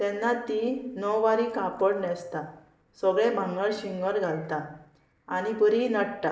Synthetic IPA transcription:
t̪ɛ̃nːat̪inɔʋaɾikãpəɽnɛst̪a | səɡɭẽbʱãŋɡəɭɕiŋɡəɾɡʱalt̪a | aɽ̃ibəɾinəɽt̪a̰

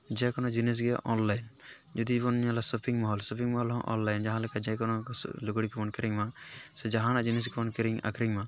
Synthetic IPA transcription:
d͡ʒɛkɔnɔd͡ʒines̬ɡɛʔɔnlajn | d͡ʒɔd̪id͡ʒbɔniɲalasɔpʰiŋmɔɦɔlsɔpʰiŋmɔɦɔlɦɔ̃ʔɔ̰nlajnd͡ʒaɦãlɛkad͡ʒɛkɔnɔ̰luɡɽikɛbɔnkəɾiŋmasɛd͡ʒaɦãnaʔd͡ʒinɛs̬ɡɛbɔnkəɾiŋa̰kʰɾiŋmã

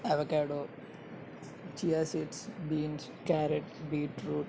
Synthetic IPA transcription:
aʋɐkaːɖoː | t͡ʃiːaːsiʈsbiːns | kaːɾeʈbiːʈɾuːʈ

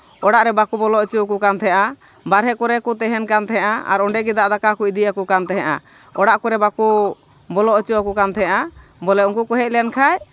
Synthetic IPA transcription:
ɔɽaʔɾɛbakubɔlɔʔɔt͡ʃuɔkukant̪ʰɛʔa | baɾɦɛkuɾɛkut̪ɛɦɛnkant̪ɛɦɛʔaa̰ɾɔɳɖɛɡɛd̪aʔd̪akakuid̪ijakukant̪ɛɦɛ̃ʔa̰ | ɔɽaʔkuɾɛbaku | bɔlɔʔɔt͡ʃuɔkukant̪ʰɛʔabɔlɛuŋkukɔɦɛʔ̚lɛnkʰaj

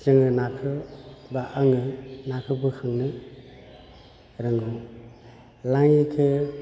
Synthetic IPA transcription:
zɯŋɯnakʰɯbaʔaŋɯnakʰɯbɯkʰɯŋnɯ | ɾɯŋɡu | laŋikʰɯ

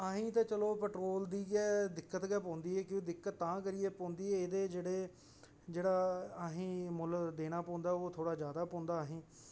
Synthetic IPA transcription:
aɦĩːt̪ãːt͡ʃəloːpɛʈɾoːld̪iːɡɛːd̪ɪkːət̪ɡɛːpɔ̃ːnd̪iːɛːkjõːd̪ɪkːət̪ːãːkəɾieːpõːnd̪iːɛːeːd̪eːd͡ʒeːɽeː | d͡ʒeːɽaːəɦĩːmʊld̪eːɽ̃aːpõːnd̪aːoːt̪ʰoːɽaːd͡ʒjaːd̪aːpɔ̃ːnd̪aːɦĩː

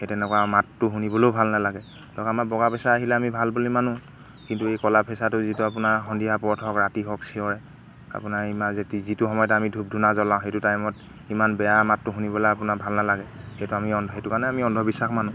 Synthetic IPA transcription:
etɛnɛkwamatːʊɦunibɔlobʱalnalaɡɛ | lɔkamabɔɡapɛsaaɦilɛamibʱalbolimanʊ | kintuejkɔlapʰɛsatʊzituapʊnaɹxɔndiapɔɔtʰɔkɹatiɦɔksiɔɹɛ | a̰pʊnaɹimazetizituxɔmɔjɔtɛamidʱub̚dʱunazɔlãʊ̃ɦejtutajmɔt | imanbɛjamatːʊɦunibɔlaapʊnabʱalnalaɡɛ | hejtuamiɔndʱɔɦetʊkaɹnɛamiɔndʱɔbisaxmanʊ̃

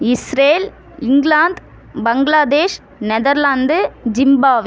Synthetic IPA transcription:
ɪsɾeːl | ɪŋɡlaːnd̪ | bɐŋɡlaːd̪eːʂ | nɛðɐɾlaːnd̪d͡ʒɪmbaːʋ

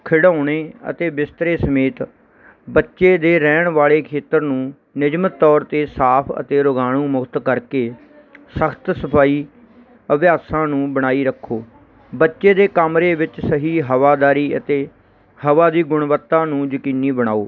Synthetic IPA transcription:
kʰɪɽãːɳ̃eːə̰t̪eːbɪst̪ɾeːsəmeːt̪ | bətːʃeːd̪eːɾɛːɳʋaːɭeːkʰeːt̪əɾnũː | nɪd͡ʒmət̪ːɔːɾt̪eːsaːpʰə̰t̪eːɾʊɡaːɽ̃ũːmʊkʰt̪kəɾkeː | səkʰt̪səpʰaːiː | əʋjaːsãːnũːbəɽ̃aːiːɾəkʰːoː | bətːʃeːd̪eːkəmɾeːʋɪt͡ʃsəɦiːɦəʋaːd̪aːɾiːə̰t̪eː | həʋaːd̪iːɡʊɳ̃ʋət̪ːãːnũːd͡ʒəkiːniːbəɽ̃aːoː

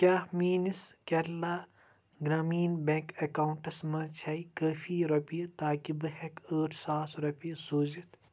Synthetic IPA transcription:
kʲaːmiːniskɐɾlaː | ɡɾaːmiːnbẽkɐkaːuɳʈɐsmɐt͡ʃʰɐikəːfiːɾɐpijɐt̪aːkibɐɦekəːʈʰsaːsɾɐpijɐsoːd͡ʒit̪

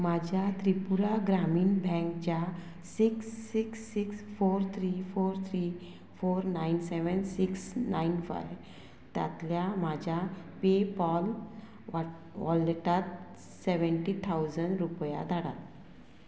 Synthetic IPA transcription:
mad͡ʑʱjat̪ɾipuɾaɡɾamiːnbʱɛ̃ŋkd͡ʑa | siksːiksːiksfoɾt̪ʰɾifoɾt̪ʰɾi | foɾnainseʋənsiksnainfa̰j | t̪ja̰t̪ljamad͡ʑʱjapepɔl | ʋɔleʈat̪̚ | seʋəɳʈit̪ʰawd͡zəɳɖɾupja̰d̪ʱaɽat̪

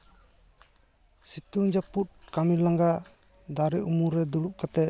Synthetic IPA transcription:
sit̪uŋd͡ʒaput̚kamilaŋɡaʔ | d̪aɾɛʔumuɾɛd̪uɽuʔ̚kat̪ɛ

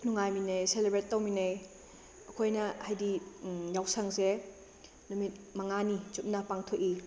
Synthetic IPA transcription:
nuŋajminɐjselebɾetːɐwminɐj | ɐkʰojnɐhajdijawsɐŋze | numit̚mɐŋanit͡ʃut̚nɐpaŋtʰoki

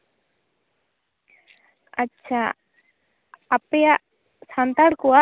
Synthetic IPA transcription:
ɐtːɕʰa | peja | sant̪aɽkuwa

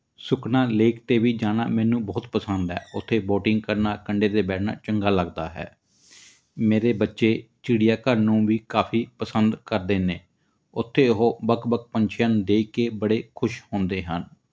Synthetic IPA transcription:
sʊkʰnaːleːkt̪eːʋiːd͡ʒaːna̰ːmɛːnũːbɔːt̪pəsənd̪ɦɛ̰ːʔʊt̪ʰːeːboːʈɪŋɡ̚kəɾnaːkəɳɖeːd̪eːbɛːʈʰna̰ːt͡ʃəŋɡaːləɡd̪aːɦɛ̰ː | meːɾeːbətːʃeːt͡ʃɪɽɪjaːkəɾnũːʋiːkaːpʰiːpəsənd̪kəɾd̪eːneː | ʊt̪ʰːeːʊɦoːbəkbək̚pəɲt͡ʃʰaːnd̪eːikeːbəɽeːkʰʊʃhõːnd̪eːɦən

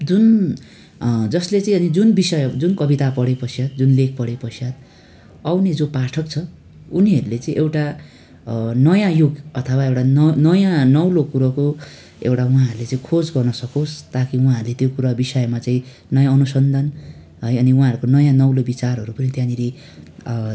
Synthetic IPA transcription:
d͡zun | d͡zʌslet͡saĩʌnid͡zunbisʌjd͡zunkʌbit̪apʌɽepʌsjat̪̚d͡zunlek̚ʰpʌɽepʌsjat̪̚ | awned͡zopaʈʰʌkt͡sʰʌ | uniɦʌɾulet͡saĩʔewʈa | nʌjãjuɡʌt̪ʰʌwaewʈannʌjãnʌwlokuɾʌko | ewʈaũɦãɦʌɾulet͡saĩkʰod͡zɡʌrnʌsʌkost̪akiũɦãɦʌɾulet̪jokuɾabisʌjmat͡sãĩ | nʌjãʌnusʌnd̪ʱan | ɦʌjʌniũɦãɦʌɾukonʌjãnʌwlobit͡sarɦʌɾupʌnit̪jãniɾi

